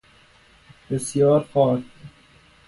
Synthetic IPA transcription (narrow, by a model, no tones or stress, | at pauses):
b̥esjɒːɾfɒːk